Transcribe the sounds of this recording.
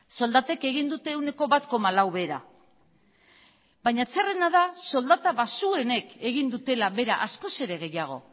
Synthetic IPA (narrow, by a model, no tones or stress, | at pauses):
so̞ld̪at̪e̞ke̞ɣ̞ind̪ut̪e̞une̞ko̞βat̪ko̞malawβe̞ɾa̰ | baɲat͡sere̞naðaso̞ld̪at̪aβasue̞ne̞ke̞ɣ̞ind̪ut̪e̞laβe̞ɾa̰ʔasko̞se̞ɾe̞ɣ̞e̞jaɣ̞o̞̰